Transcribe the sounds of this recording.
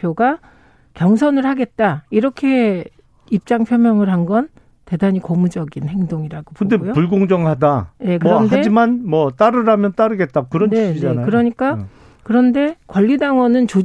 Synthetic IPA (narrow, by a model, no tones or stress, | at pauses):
pʰjoɡa | kjʌŋsʰʌnɯɭhaɡe̞t̚t͈aiɾʌkʰe̞ | ip̚t͡ɕ͈aŋpʰjomjʌŋɯɭɦanɡʌn | te̞daɲikomud͡ʑʌɡinhe̞ŋdoŋiɾaɡopɯnde̞jopuɭɡoŋd͡ʑʌŋhadaje̞kɯɾʌndae̞d͡ʑimanmwʌt͈aɾɯɾamjʌnt͈aɾɯɡe̞t̚t͈akɯɾʌnnieid͡ʑaenakɯɾʌɲik͈a | kɯɾʌnde̞kwʌʎːidaŋwʌnɯnt͡ɕo